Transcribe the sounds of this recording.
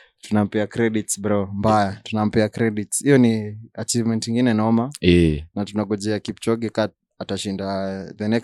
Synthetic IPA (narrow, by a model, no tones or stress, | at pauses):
tunam̩piakɾɛɗitsbaɾɔmbajatunam̩piakɾɛɗitsijɔniat͡ʃivmɛntɲiŋɡinɛnaɔmaɛnatunaɡɔd͡ʒɛakipt͡ʃɔɡikat | ataʃindaðɛnɛk